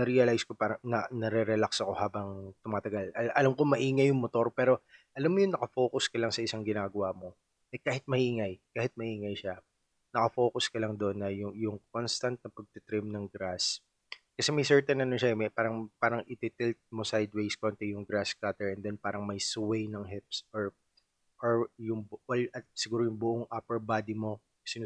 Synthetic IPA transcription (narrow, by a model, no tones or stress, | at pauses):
nɐɾiɐlajsko̞paːɾɐnɐnɐɾɛɾɛlaksɐko̞haːbɐŋt̪ʊmaːt̪ɐɡalʔɐʔɐlɐmko̞mɐʔiːŋɐjʊŋmot̪o̞ɾpɛːɾo̞ʔɐlamːojʊŋnɐkɐfo̞kʊskɐlaŋsɐʔɪsaŋɡɪnaːɡɐwaʔmo̞ | ʔɛkaːhɪt̪̚mɐhiːŋɐjkaːhɪt̪̚mɐhiːŋɐjʃa | nɐkɐfo̞ːkʊskɐlɐŋd̪oʔonːɐjʊŋjʊŋkonst̪ɐnt̪̚nɐpɐɡ̚t̪ɪt̪ɾɪmnɐŋɡɾas | kɐsɛmɐjsɛɹt̪ɛnːɐnonʃɐɛmɐpaːɾɐŋpaːɾɐŋʔɪt̪ɪt̪ɪlt̪̚mosajd̪wejskont̪ɛjʊŋɡɾaskat̪ɛɹɛnd̪ɛnpaːɾɐŋmɐjsʊwɛjnɐŋɦɪpsʔoɹ | ʔoɹjʊŋwɐlɐt̪̚sɪɡuːɾojʊŋbʊʔoŋʔapɛɹbaːd̪imo̞ | sɪn